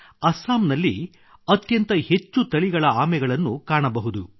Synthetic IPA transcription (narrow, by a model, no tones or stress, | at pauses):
ɐsaːmnɐlːi | ɐt̪jɐnt̪ɐhe̞t͡ʃːut̪ɐɭiɡɐɭɐaːmɛɡɐɭɐnːukaːɳɐbɐɦud̪u